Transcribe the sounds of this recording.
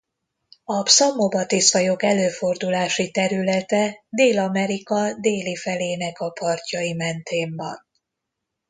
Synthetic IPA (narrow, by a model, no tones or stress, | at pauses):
ɒpsɒmːobɒt̪isɒjo̞kɛløːfo̞rd̪ulaːʃit̪ɛɾylɛt̪ɛd̪eːlɒmɛɾikɒd̪eːlifɛleːnɛkɒpɒrcɒimɛnt̪ʰeːmbɒ̰n